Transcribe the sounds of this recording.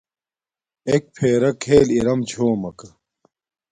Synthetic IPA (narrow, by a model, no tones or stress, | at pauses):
ek̚pʰeːɾɐkʰeːliɾɐmt͡ɕʰoːmɐkɐ